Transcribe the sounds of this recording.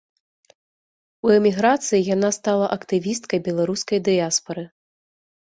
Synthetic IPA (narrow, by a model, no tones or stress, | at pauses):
uɛmʲiɣɾat̪sɨjijanast̪alˠɐʔɐkt̪ɨvʲist̪kɐjbʲɛlˠaɾuskɐjd̪ɨaspɐɾɨ